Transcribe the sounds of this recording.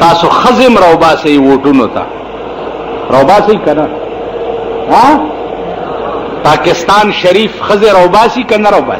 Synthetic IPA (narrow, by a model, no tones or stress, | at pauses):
t̪aːsoxəzemɾɐwbaːsɐiwoːʈunot̪a̰ | ɾɐwbaːsɐikɐna | ɦã | paːkɪst̪aːnʃɐɾiːfxəzeɾɐwbaːsikɐnaɾɐwba̰ː